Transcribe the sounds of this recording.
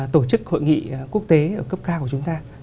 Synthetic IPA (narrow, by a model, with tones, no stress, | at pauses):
t̪o˧˩t͡ɕɨ˦˥k̚ho̰˧˨jŋḭ˧˨ku˦˥ək̚t̪e˨˦ʔəː˧˩kə˦˥p̚kaː˧ku˧˩t͡ɕʊ˨˦ŋ͡mt̪aː˧